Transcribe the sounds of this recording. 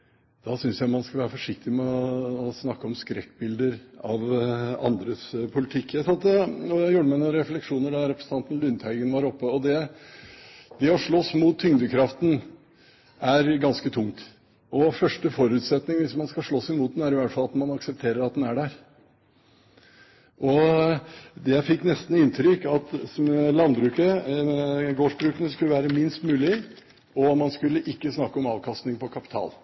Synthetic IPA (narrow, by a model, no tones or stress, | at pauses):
d̪̥ɑsʏnsjæɪmɑnskɑʋæːɾəfɔʂɪk̚t̪ɪmɛɔːsnɑkːəɔmskɾɛkːbɪld̪əɾɑʋɑ̰nd̪ɾəspʰʊlɪt̪ʰɪkːjæsɑnt̪d̪ɛɔjuːɖəmænʊɾɛflɛkʂuːnəɖɑɾɛpɾəsəɑnt̪n̩lʉnt̪hæɪɡənʋɑɾɔpːəɔd̪ɛ | d̪̥ɛɔʂɭɔsmut̪ʰːʏŋd̪əkʰɾɑft̪n̩ | æɾɡɑnskət̪ʰʊŋt̪ | ɔfœʂʈəfɔɾʉːt̪sɛt̪nɪŋʋɪsmɑnskɑʂɭoːsɪmuːt̪d̪næɾɪʋæʈfɑlɑt̪mɑnɑksɛp̚t̪ʰeːɾəɾɑt̪̚d̪ɛnæɖæɾ | ʔɔ | d̪ɛfɪkːnɛst̪n̩ɪnt̪ʰɾʏkɑt̪mɛlɑnd̪bɾʉːkə | ɡoːʂbɾʉːkənəskʉləʋæːɾəmɪnst̪mʉːlɪ | ɔmɑnskʉlːəʔɪkːəsnɑkːəɔmɑːʋkʰɑst̪nɪŋpɔkʰɑpɪt̪ʰɑ̰ːl